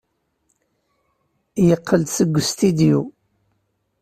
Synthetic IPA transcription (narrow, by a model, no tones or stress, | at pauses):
jəqʰːəld̪səɡʷːst̪id̪iu